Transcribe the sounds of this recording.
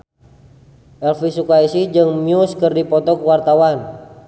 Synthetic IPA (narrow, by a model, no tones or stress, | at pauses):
ʔɛlfisukaisid͡ʒɨŋmiuskərdipɔt̪ɔkəwart̪awan